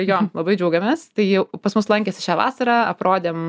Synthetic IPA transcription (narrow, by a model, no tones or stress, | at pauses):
joːlˠɐbɐɪd͡ʒʲɛʊɡʲɐmʲeːst̪ɐɪjɛʊpɐsmʊslˠɐŋʲkʲeːsʲɪʃʲæːʋɑ̰ːsɐɾɑːɐpɾoːd̪ʲeːm